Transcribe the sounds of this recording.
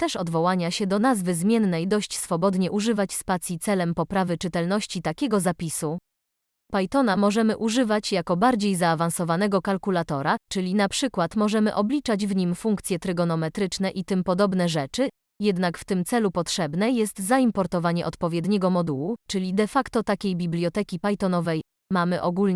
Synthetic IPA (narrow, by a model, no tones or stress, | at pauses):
t̪ɛʂɔd̪vɔwaɲaɕɛd̪ɔnazvɘzmʲjɛnːɛjd̪ɔɕt͡ɕsfɔbɔd̪ɲɛʔuʐɘvat͡ɕspat̪sʲjit̪sɛlɛmpɔpɾavɘt͡ʂɘt̪ɛlnɔɕt͡ɕit̪akʲɛɡɔzapʲisu | pajt̪ɔnamɔʐɛmɘʔuʐɘvat͡ɕjakɔbaɾd͡ʑejzaːvansɔvanɛɡɔkalkulat̪ɔɾat͡ʂɘlʲinapʂɘkwat̪mɔʐɛmɘʔɔblʲit͡ʂad͡ʑvɲimfuŋkt̪sʲjɛt̪ɾɘɡɔnɔmɛt̪ɾɘt͡ʂnɛʔit̪ɘmpɔd̪ɔbn̪ɛʐɛt͡ʂɘ | jɛd̪nakft̪ɘmt̪sɛlupɔtʂɛbnɛjɛst̪zaimpɔɾt̪ɔvaɲɛʔɔt̪pɔvʲjɛd̪ɲɛɡɔmɔd̪uwut͡ʂɘlʲid̪ɛfakt̪ɔt̪akʲejbʲiblʲjɔt̪ɛkʲipajt̪ɔnɔvɛj | mamɘʔɔɡulɲ